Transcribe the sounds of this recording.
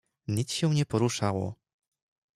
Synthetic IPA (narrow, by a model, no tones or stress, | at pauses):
ɲisɕɛw̃ɲɛpɔɾuʂawɔ̰